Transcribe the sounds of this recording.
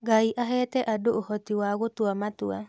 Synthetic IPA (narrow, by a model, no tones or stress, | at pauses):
ɡaiʔaɦɛːtɛʔadoohɔtiwaɣotwamatua̰